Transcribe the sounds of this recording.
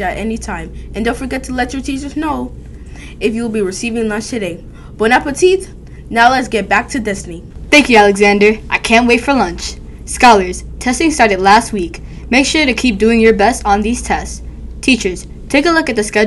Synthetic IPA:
æɾɛnitʰãɪ̃mɨ̃ndõʊnfə˞ɡɛtʰəlɛt͡ʃə˞tʰit͡ʃə˞znoʊ | ɨfjɨl̩ˠbiɹɨsivɪ̃ŋlʌ̃nt͡ʃtʰɨɾeɪ | b̥ɨ̃ñæpɨtʰiθ | nalazɡɛt̚b̥æk̚tʰɨdɪzniθæ̃ŋkjʉælˠɨɡzæ̃ndə˞ʔaɪkʰæ̃nʔweɪtfə˞lʌ̃nt͡ʃ | skɑlˠə˞z̥tʰɛstɪ̃ŋstɑɹɾɨdˡlæst̚wik | meɪkʃʊɹɾɨkʰip̚d̥ʉɪ̃ŋjə˞bɛstn̩ðiz̥tʰɛst | tʰit͡ʃə˞z̥ | tʰeɪkəlʊkɨt̪̚ðɨskʌ

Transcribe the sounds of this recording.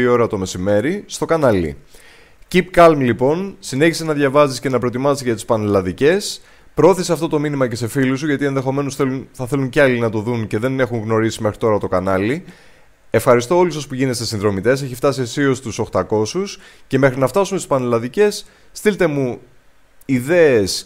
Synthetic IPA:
io̞ɾɐt̪o̞me̞sime̞ɾist̪o̞kɐnɐlḭ | cipkɐlmlipo̞nsine̞çisenɐðʝɐvɐzisce̞nɐpɾo̞t̪imɐzisʝɐt̪ispɐnelɐðice̞s | pɾoo̞θiseɐft̪o̞t̪o̞minimɐce̞se̞filus̬uʝɐt̪ie̞nðe̞xo̞me̞nosθelunθɐθe̞luɲceɐlinɐt̪o̞ðunce̞ðe̞ne̞xuŋɣno̞ɾisime̞xɾit̪o̞ɾɐt̪o̞kɐnɐli | e̞fxɐɾist̪o̞o̞lus̬o̞spuʝine̞st̪esinðɾo̞mit̪e̞s̬e̞çift̪ɐsiesio̞st̪uso̞xt̪ɐko̞sus | ce̞me̞xɾinɐft̪ɐsumest̪ispɐnelɐðice̞sː | t̪ilt̪e̞mu | iðe̞es

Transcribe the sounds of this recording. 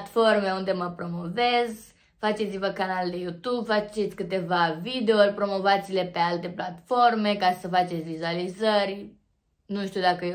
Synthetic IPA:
t̪fo̞rme̞und̪e̞məpɾo̞mo̞ve̞z | fat͡ʃe̞t̪sivəkanald̪e̞jut̪ubfat͡ʃet̪sʲkɨt̪e̞vavid̪e̞orʲpɾo̞mo̞vat̪sile̞pe̞alt̪e̞plat̪fo̞rme̞kasəfat͡ʃet̪sʲvizualizərʲ | nuʃt̪iud̪akəe

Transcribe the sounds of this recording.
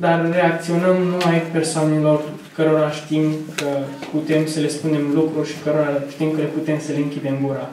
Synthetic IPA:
d̪arːe̞akt̪sio̞nəmnumajpe̞rsoanelo̞r | kəɾoɾaʃt̪imkʰəput̪e̞msəle̞spund̪e̞mlukɾurʃi̥kəɾoɾaʃt̪imkəleput̪e̞msəleɨŋkʲid̪e̞mɡuɾa

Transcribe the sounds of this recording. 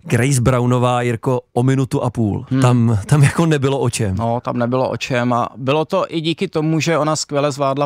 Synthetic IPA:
ɡɾɛjzbɾawnovaːjɪɾkoʔomɪnut̪uʔapuːlt̪amt̪amjakonɛbɪloʔot͡ʃɛmnot̪amnɛbɪloʔo̰t͡ʃɛma̰bɪlot̪o̞ʔɪɟiːkɪt̪omuʒɛonaskvʲjɛlɛzvlaːdla

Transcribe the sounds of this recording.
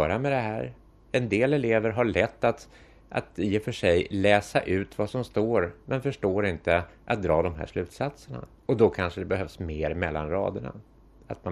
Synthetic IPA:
œːɾamɛd̪ɛɦæːɾ | ɛnd̪eːlɛleːvəɾɦaɭɛt̪ːat̪ | ʔa̰t̪jefœʂɛjlɛːsaʔʉ̟ːt̪vasɔmst̪oːɾmɛnfœʂʈoːɾɪnt̪əʔa̰t̪̚d̪ɾɑːd̪ɔmɦæ̰ːʂlʉ̟ːt̪sat̪səɳa̰ | ɔd̪ɔkʰanʂəd̪ɛbɛɦœvsmeːɾmɛlːanɾɑ̰ːd̪əɳa̰ | at̪̚ma

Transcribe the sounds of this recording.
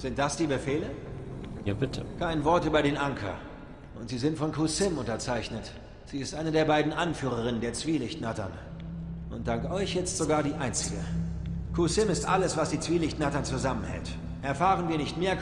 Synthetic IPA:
z̥ɪnt̚d̥asd̥iːbəfeːləjaːb̥ɪtʰəkʰaɪnvɔɐtʔyːbɐɾeːnʔaŋkʰɐ̰ | ʔʊntz̥iːzɪntfɔnkʰuːsɪmʊntɐt͡saɪçnət | z̥iːɪstʔaɪnədeːɐbaɪdn̩ʔanfyːʁ̞əʁ̞ɪnəndeːɐt͡sv̥iːlɪçtnatɐ̰n | ʔʊnt̚d̥aŋkɔʏçjɛt͡stz̥oɡaːɐdiːʔaɪnt͡sɪɡəkʰusɪmɪstʔa̰ləsv̥asd̥iːt͡sv̥iːlɪçtnatɐnt͡suzamənhɛ̰lt | ʔɛɐfaːʁənviːɐnɪçtmeːɐ

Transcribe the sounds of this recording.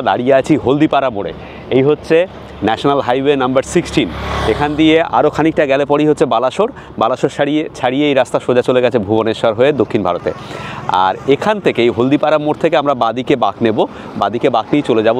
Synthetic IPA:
d̪aɽijeat͡ɕʰiɦold̪ipaɾamoɽḛ | ejɦotːɕʰe | nɛʃonalɦajwenambaɾsiksʈinekʰand̪iea̰ɾokʰanik̚ʈaɡɛlepɔɽiɦotːʰebalaʃoɾ | balaʃoɾʃit͡ɕʰaɽijeejɾast̪aʃod͡ʑat͡ɕoleɡɛt͡ɕʰebʱuboneʃaɾɦoed̪okʰːinbʱaɾot̪ḛa̰ɾekʰant̪ʰekeejɦold̪ipaɾamoɽt̪ʰekeamɾabad̪ikebaknebo | bad̪ikebaknijt͡ɕoled͡ʑabo

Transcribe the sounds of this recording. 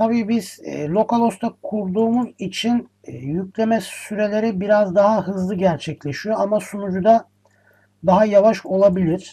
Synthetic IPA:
t̪ʰabiːbiz̥̰ːlʲo̞kalˠo̞st̪ʰakʰuɾd̪uːmuzit͡ʃʰinː | jycʲlʲe̞mɛsyɾe̞lʲe̞ɾibiɾazd̪aɦaɦɯzlˠɯɟæɾt͡ʃʰɛclʲeʃijo̞amasunud͡ʒud̪a | d̪aɦajavaʃo̞lˠabilʲiɾ̥

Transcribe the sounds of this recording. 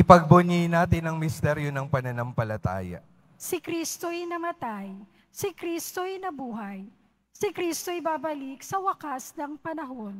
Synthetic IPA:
ʔɪpɐɡ̚bʊɲijnaːt̪ɪnɐŋmɪst̪ɛɾjonɐŋpɐnɐnɐmpɐlɐt̪a̰ːjɐ̰ | sɪkɾist̪ojnɐmɐt̪aj | sɪkɾist̪ojnɐbuːɦɐj | sɪkɾist̪o̞ɪbaːbɐlik̚sɐwɐkasnɐŋpɐnɐɦo̞n

